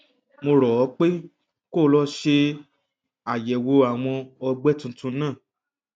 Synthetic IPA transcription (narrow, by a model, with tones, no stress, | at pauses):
mo˧ɾɔ˨˦k͡pe˦ | ko˦˨˧lɔ˦ʃe˧ | a˨jɛ˨wo˧a˨w̃ɔ̃˧ɔ˧ɡ͡bɛ˦tũ˧tũ˧˦nãː˦˨